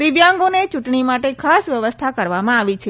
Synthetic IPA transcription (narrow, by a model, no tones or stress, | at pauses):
ɾiʋjaŋɡonet͡ʃuʈɳimaʈekʰasʋjəʋəst̪ʰakəɾʋamãaʋit͡ʃʰe